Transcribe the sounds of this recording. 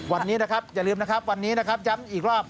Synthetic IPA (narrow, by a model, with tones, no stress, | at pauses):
wa˧nːiː˦˥na˦˥kʰa˦˥p̚ja˨˩lɯː˧mna˦˥kʰa˦˥p̚wa˧nːiː˦˥na˦˥kʰa˦˥p̚ja˦˥miː˨˩k̚ɾɔː˥˩p̚